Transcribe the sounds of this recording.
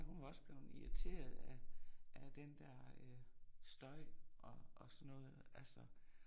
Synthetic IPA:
ɦunʋɑ̈ɒ̽səb̥le̝ʊniʁit͡sʰe̝̰ːɐðˠæʔæd̥end̥æɐ̰øsd̥ɒ̽ɪʔɒʔːsɒnːɔ̽ːð̩ˠælsɒ

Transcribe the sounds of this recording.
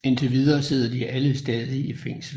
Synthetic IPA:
e̝nt͡sʰe̝ʋiðˠɐːse̝ð̞̰ˠɐd̥iʔæləsd̥ɛːðˠiifeŋ̰sl̩

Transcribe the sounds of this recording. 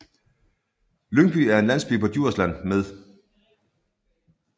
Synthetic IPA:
løŋb̥yːæɐe̝nlæn̰sb̥y̰ːpʰɒ̽d̥juɐ̰slæn̰með̞ˠ

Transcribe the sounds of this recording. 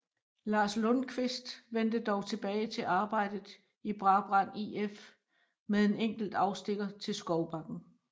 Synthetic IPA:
lɑ̈ːslɔnkʰʋesd̥ʋen̰d̥əd̥ɒʊt͡sʰe̝b̥ɛːɪt͡sʰe̝lʔɑ̈ːb̥ɑ̈ɪ̰d̥ð̩ˠ | ib̥ʁɑ̈b̥ʁɑ̈n̰ief | meðˠe̝neŋ̰ɡ̥l̩d̥ɑ̈ʊsd̥e̝ɡ̥ɐt͡sʰe̝lsɡ̥ɒʊb̥ɑ̈ɡ̥n̩

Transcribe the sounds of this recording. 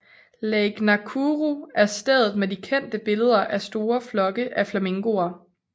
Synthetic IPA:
leɡ̥nækʰuʁuæɐsd̥eðˠð̩ˠmedikʰen̰d̥əb̥e̝ləð̞ˠɐʔæsd̥o̝ːɐflɒ̽ɡ̥əʔæflæme̝ŋɡ̥o̝ɐ

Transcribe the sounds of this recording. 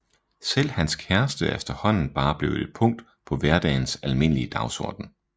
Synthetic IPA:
sel̰hænskʰæɐsd̥əefd̥ɐhɒ̽n̰n̩b̥ɑ̈ːb̥le̝ʊe̝d̥̚pʰɔ̽ŋ̰d̥ | pʰɒ̽ʋæɐd̥ɛ̰ːnsælme̝n̰əliəd̥ɑ̈ʊsɒ̰ːd̥n̩

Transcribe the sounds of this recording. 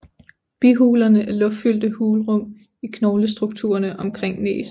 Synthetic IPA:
b̥iɦuːlɐnəʔæɐlɔ̽ffyl̰d̥əhuːlʁɔ̽m̰ | ikʰnɒːləsd̥ʁuɡ̥̚t͡sʰṵːɐnəʔɒ̽mkʰʁeŋ̰nḛːs

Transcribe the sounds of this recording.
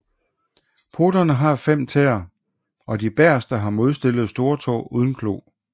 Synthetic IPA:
pʰo̝ːd̥ɐnəɦɑ̈fem̰t͡sʰeːɐ | ɒ̽d̥ib̥æɐ̰sd̥ɑɦɑ̈mo̝ð̞ˠsd̥e̝l̰ð̞̩ˠsd̥o̝ːɐt͡sʰɒ̰ːuːð̞ˠn̩kʰlo̝̰ː

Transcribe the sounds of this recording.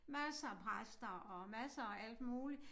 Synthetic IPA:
mæsɐpʰʁasd̥ɐɒ̽mæsɐɒʔæl̰d̥muːli

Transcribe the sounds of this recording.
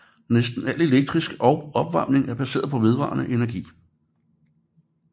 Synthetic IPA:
nesd̥n̩æle̝leɡ̥̚d̥ʁisɡ̥əʔɒɒ̽b̥ʋɑ̈m̰ne̝ŋæɐb̥æse̝̰ːɐð̞ˠpʰɒ̽ʋe̝ð̞ˠʋɑ̰̈ːnəʔe̝næɐɡ̥ḭː

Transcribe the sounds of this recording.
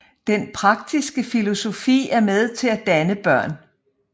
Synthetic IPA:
d̥enpʰʁɑ̈ɡ̥̚d̥isɡ̥əfilo̝so̝fḭːæɐmeð̞ˠt͡sʰe̝læd̥ænəb̥ɶɐ̰n

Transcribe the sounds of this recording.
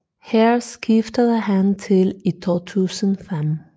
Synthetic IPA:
hæɐsɡ̥ifd̥əðˠəɦænt͡sʰe̝lit͡sʰo̰ːt͡sʰuːsənfem

